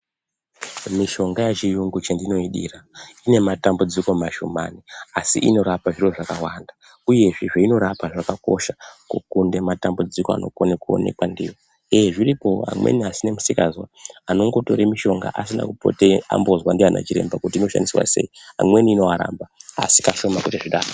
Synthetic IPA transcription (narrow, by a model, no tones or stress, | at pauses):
miʃo̞ŋɡajet͡ʃijuŋɡut͡ʃendino̞iɗḭːraine̞matambud͡ziko̞maʃomaniasḭʔino̞ɾapaʐiro̞ʐakawanda | uje̞ʐiʐeino̞ɾapaʐakako̞̰ʃakukunde̞matambud͡ziko̞a̰no̞̰kuonekuo̞̰ne̞̰kwandiwo | eʐiripo̞ɦa̰mwe̞̰niasinemusikazwaano̞ŋɡo̞to̞ɾemiʃo̞ŋɡa̰ʔas̬ina̰kupo̰tea̰mbo̞zwandiana̰t͡ʃiɾe̞̰mbakutiːno̞ʃa̰ndisiwa̰se̞̰iɦa̰mwe̞niːno̞aɾa̰mbaa̰si̥kaʃo̞makutiʐiɗaːro